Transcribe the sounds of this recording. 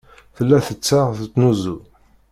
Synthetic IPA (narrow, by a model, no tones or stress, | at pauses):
θəlːæθət͡sːaʁθət͡sːnuzu